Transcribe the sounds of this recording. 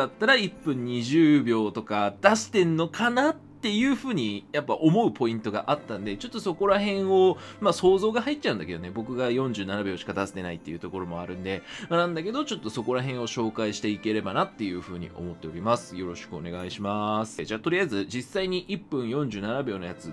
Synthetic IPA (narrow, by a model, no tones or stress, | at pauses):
at̪ːaɾaipːɯ̟̃ɲ̟ːiʑɨːbʲo̞ːt̪o̞kad̪̥ast̪e̞nːo̞kanat̪ːe̞jɯ̟ːɸɯ̟ːɲ̟ijapːaʔo̞mo̞ɯ̟po̞ĩnt̪o̞ɡa̰ʔat̪ːãnd̪e̞t͡ɕo̞t̪ːo̞so̞ko̞ɾaɦẽ̞ɰ̃o̞maso̞ːzo̞ːɡahait̪ːt͡ɕːaɯ̟̃nd̪aked̪one̞bo̞kɯ̟ɡajõ̞ɲ̟d͡ʑɨːnanabʲo̞ːɕi̥kad̪asi̥t̪e̞nait̪ːejɯ̟t̪o̞ko̞ɾo̞mo̞aɾɯ̟̃nd̪e̞manãnd̪ake̞d̪o̞t͡ɕo̞t̪ːo̞so̞ko̞ɾaɦẽ̞ɰ̃o̞ɕo̞ːkaiɕi̥t̪e̞ike̞ɾe̞banat̪ːe̞jɯ̟ːɸɯ̟ːɲ̟ḭʔo̞̰mo̞t̪ːe̞o̞ɾʲimasɨ̥jo̞ɾo̞ɕi̥kɯ̟one̞ɡaiɕimasɨ̥ʑaːt̪o̞ɾʲijaizɨd͡ʑisːaiɲ̟iʔipːɯ̟̃ɰ̃jõ̞ɲ̟d͡ʑɨːnanabʲjo̞ːnojat͡sɨ